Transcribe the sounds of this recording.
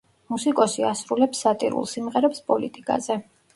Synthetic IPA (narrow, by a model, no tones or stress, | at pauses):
musikʼɔsiasɾulɛpsːat̪ʼḭɾṵlˠsimʁɛɾɛpspʼɔlit̪ʼikʼa̰zɛ